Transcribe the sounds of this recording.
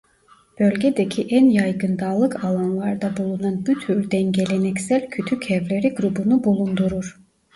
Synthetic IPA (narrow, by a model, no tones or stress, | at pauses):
b̥ølʲɟed̪ecʰiʔænjajɡɯnd̪aːlˠɯkʰalˠanlˠaɾd̪abulˠunanbyt̪ʰyɾd̪ɛnɟe̞lʲenɛcsælʲcʰyt̪ʰycʰɛvlʲe̞ɾiɡɾubunubulˠund̪uɾuɾ̥